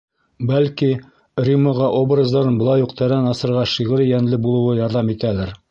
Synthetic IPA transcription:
bælki | rʲiməʁɑʔobrəzd̪ɑɾɤnbŏlˠɑjuqt̪æɾænɑsɤ̆ɾʁɑʃiʁɘɾjænlɘbulˠɤ̆wɤjɑɾðɑmit̪ælæɾ

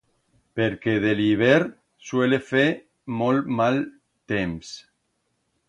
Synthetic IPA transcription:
peɾkeðeliβ̞eɾ | swelefe | molmal | t̪ems

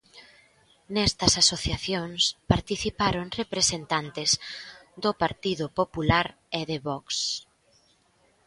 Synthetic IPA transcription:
nɛst̪ɐsasoθjaθjoŋspaɾt̪iθipaɾoŋrepɾesent̪ant̪ɪzd̪ʊpaɾt̪iðʊpopulaɾ | eðeβɔks

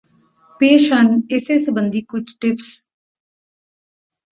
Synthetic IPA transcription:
peːʃənɪseːsəbənd̪iːkʊt͡ʃʰʈɪps

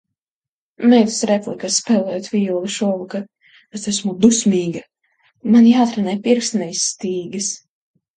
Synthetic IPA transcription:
mɛjt̪u̥sɾɛplikasspɛːlˠɛjot̪vʲijulˠiʃuɔlˠuka | ɛsɛsmud̪usʲmʲiːɡɐ | manjaːt̪ɾanɛjpiɾksnɛjsːt̪iːɡɨs

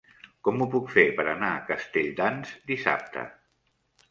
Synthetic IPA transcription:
kɔmupukfepəɾənaəkəst̪eʎd̪anzd̪isa̰p̚t̪ʰə̰

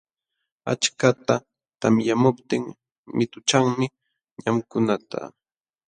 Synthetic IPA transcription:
a̰t͡ʃkat̪a | t̪amjamʊpt̪ɪŋ | mɪt̪ʊt͡ʃaŋmɪ | ɲamkʊnat̪a̰

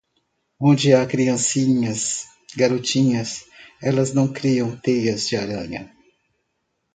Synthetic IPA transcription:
õnd͡ʒɪakɾiɐ̃siɲɐs | ɡaɾot͡ʃĩɲɐsɛlɐznɐ̃w̃kɾiɐ̃w̃t̪ejɐzd͡ʒɪaɾɐ̰̃ɲɐ̰

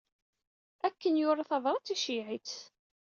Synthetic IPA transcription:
ækːənjʊɾˤɑθɑvɾˤɑt͡sːiʃiʕit͡s

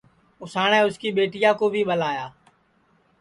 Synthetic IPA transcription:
ʊsaːɳ̃ɛ̃ːʊskiːɓeːʈɪjãːkoːbʱiːɓəlaːjaː

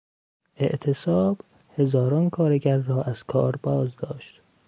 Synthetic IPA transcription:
ʔe̞̰ʔt̪ʰesɒːb̥ | he̞zɒːɾɒːnkʰɒːɾe̞ɟæɾːɒːʔæz̥kʰɒːɾbɒːzd̪ɒːʃt̪

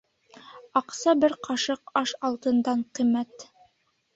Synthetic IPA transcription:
ɑqsɑbɘɾqʰɑʃɤq̚ɑʃɑlˠt̪ɤ̆nd̪ɑɴqimæt̪

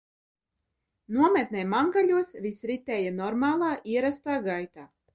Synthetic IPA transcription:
nuɔmɛt̪̚nɛːjmaŋɡaʎʲuɔsvisɾit̪ɛːjanɔɾmaːlˠaːʔiɛɾast̪aːɡajt̪aː

